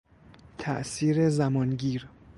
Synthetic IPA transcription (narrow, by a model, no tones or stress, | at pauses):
t̪ʰæʔsiːɾezæmɒːnɡiːɾ